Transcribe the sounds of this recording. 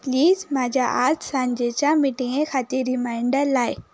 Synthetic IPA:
pliːzmãːd͡ʑaʔaːɾt̪sãːɲd͡ʑet͡ɕãmiʈĩŋẽxaːt̪eɾimãːɪ̃ɳɖəlaːɪ

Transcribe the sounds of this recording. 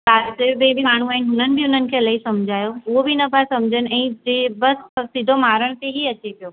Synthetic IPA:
aːsebẽːbʱimaːɽɳ̤uaːɦɪnɪɦʊn̤ənɪ̆bʱiʊnənɪ̆kʰelaːisɐmd͡ʑʱaːjoʊɦobʱinɐpasɐmd͡ʑʱənɪ̆ɛ̃ːd͡ʑeːbɐssɪd̪ʱomaːɾəɽ̃t̪eɦiɐt͡ɕepijoː

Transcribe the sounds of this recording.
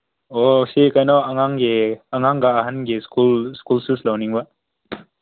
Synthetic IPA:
osikajnɔɐŋaŋɡeɐŋaŋɡaːɦɐnɡeskulskulsislɐwniŋba

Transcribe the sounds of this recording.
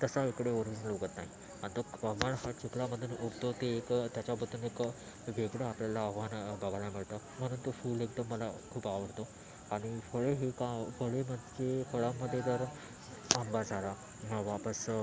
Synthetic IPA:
t̪əsaekɽeoɾʋid͡zənloɡət̪naɦi | anit̪okəbəɳhat͡ɕukɭaməd̪ʱːuːnoɡt̪ot̪eːkt̪jat͡ɕjapət̪uːnek | ʋeɡɽəapljalaːɦʋanbabalamiɭt̪ə | m̤əɽ̃uːnt̪ofuːleɡ̚d̪əmːəlakʰuːpaʋəɾt̪o | aɽ̃ifəɭeɦekafəɭeməd̪t͡ɕefʰəɭamːəd̪ʱːjet̪əɾ | ambaɾd͡zʱaɾa | ʋapəs

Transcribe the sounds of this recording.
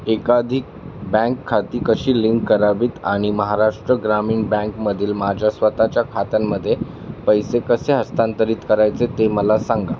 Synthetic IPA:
ekad̪ʱik | bɛ̃ŋkʰːat̪iːkəɕiːliŋkːəɾabiːt̪aɽ̃iməɦaɾaʂʈɾəɡɾamiːɳbɛ̃ŋkməd̪ʱiːlmad͡ʑʱjasʋət̪at͡ɕjakʰat̪amːəd̪ʱːje | pəjsekəseɦəst̪ant̪əɾiːt̪kəɾajt͡set̪eməlasaŋɡa

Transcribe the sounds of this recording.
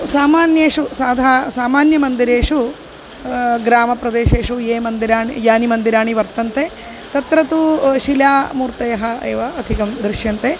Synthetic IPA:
saːmaːnjeːʂusaːd̪ʱaːsaːmaːnjɐmɐnd̪iɾeːʂu | ɡɾaːmɐpɾɐd̪eːʃeːʂueːmɐnd̪iɾaːɳijaːnimɐnd̪iɾaːɳiʋɐɾt̪ɐnt̪e | t̪ɐt̪ɾɐt̪uʃilaːmuːɾt̪ɐjɐɦɐeːʋɐɐd̪ʱikɐmd̪ɾiʃjɐnt̪e

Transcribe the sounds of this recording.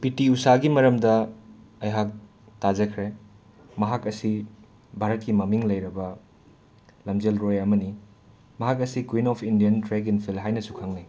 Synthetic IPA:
pitiusaɡimɐɾɐmdɐ | ɐjɦak̚ | tad͡ʒɐkʰɾe | mɐɦakɐsi | bʱaɾɐt̚kimɐmiŋlɐjɾɐbɐ | lɐmd͡ʒelɾojɐmɐni | mɐɦakɐsikwinɔpʰindijɐntɾeɡinpʰilɦajnɐsukʰaŋnij

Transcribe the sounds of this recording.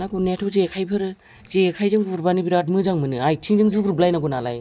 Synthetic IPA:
naɡunetʰozeekʰajpʰɯɾɯ | zeːkʰajzɯŋɡuɾbanibiɾat̬̚mɯzaŋmɯnɯajtʰiŋzɯŋzuɡuɾblajnaɡunala̰j

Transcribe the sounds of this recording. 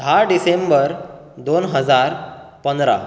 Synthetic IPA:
d̪ʱaɖisembəɾ | d̪onɦəd͡zaɾ | pənd̪ɾa̰

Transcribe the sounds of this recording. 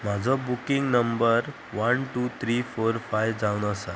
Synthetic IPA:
m̤ad͡zʱɔbukiŋɡnəmbəɾ | ʋənʈuːt̪ʰɾifoɾfajʋd͡zaunəsa

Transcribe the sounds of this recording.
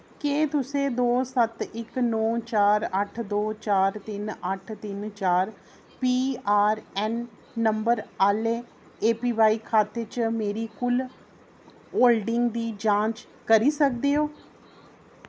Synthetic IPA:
keːt̪ʊsẽːd̪oːsət̪ɪknɔ̃ːt͡ʃaːɾəʈʰd̪oːt͡ʃaːɾt̪ɪnəʈʰt̪ɪnt͡ʃaːɾ | piːaːɾɛːnː | əmbəɾaːleː | eːpiːʋaːiːkʰaːt̪eːt͡ʃmeːɾiːkʊl | oːlɖɪŋɡd̪iːd͡ʒãːt͡ʃ | kəɾiːsək̚d̪eːoː

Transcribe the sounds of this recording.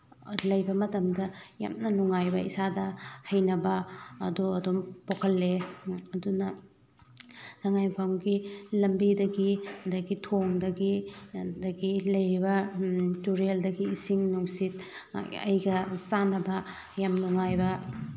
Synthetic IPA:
lɐjbɐmɐtɐmdɐja̰mnɐnuŋajbɐisadɐhɐjnɐbɐːduɐdompokʰɐlːeɐdunɐ | nɐŋajpʰawɡilɐmbidɐɡidɐɡitʰoŋdɐɡidɐɡilɐjɾibɐtuɾeldɐɡiːsiŋnuŋsit̚ɐ̰jɡɐt͡ʃanɐbɐ | jamnuŋajbɐ

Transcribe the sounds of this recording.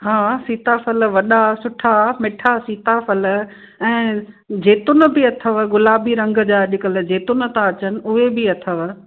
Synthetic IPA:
ɦaːsiːt̪afɐəl̆ʋɐɗasʊʈʰamɪʈʰasiːt̪afɐl | ɛ̃ː | d͡ʑeːt̪ʊnə̆bɪɐt̪ʰəʋ̆ɡʊlaːbiɾɐ̃ŋɡə̆d͡ʑaːɗɪkəld͡ʑeːt̪ʊnə̆t̪ãɐt͡ɕənɪ̆ʊɦebɪɐt̪ʰəʋ

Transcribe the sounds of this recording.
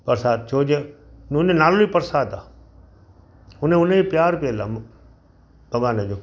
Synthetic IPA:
pɐɾsaːd̪̚t͡ʃʰoːd͡ʒenːnenaːloipɐɾsaːd̪aː | ʊnẽʊnẽipjaːɾpielaːm | bɐʋaːned͡ʒoː

